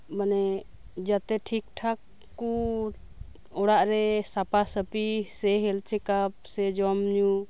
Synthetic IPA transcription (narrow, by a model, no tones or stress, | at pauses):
manɛ | d͡ʒat̪ɛʈʰik̚ʈʰakː | u | ɔɽaʔɾɛsapasəpisɛɦɛlt͡ʃʰɛkap̚sɛd͡ʒɔmɲu